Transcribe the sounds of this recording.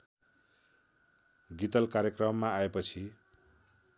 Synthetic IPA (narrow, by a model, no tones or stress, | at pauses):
ɡit̪ʌlkaɾjʌkrʌmːaːepʌt͡sʰi